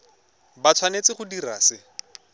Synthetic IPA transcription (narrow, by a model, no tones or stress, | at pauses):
bat͡sʰwanet͡sɪχʊdiraːsɪ